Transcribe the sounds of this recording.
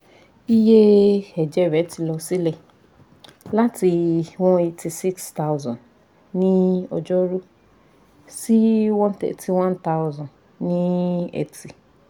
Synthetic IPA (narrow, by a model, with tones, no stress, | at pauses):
i˦je˦ɛ˨d͡ʒɛ˦˨ɾɛ˨˦ti˧lɔ˧si˦lɛ˧ | la˦ti˧wɔ̃˦i˧ti˧si˦ksta˦wzɔ̃˨n | nĩ˦ɔ̰˨d͡ʒɔ˦ɾu˦ | si˦wɔ̃˦n˦tḛ˨ti˧wã˦nta˦wzɔ̃˨n | nĩ˦ḛ˨si˨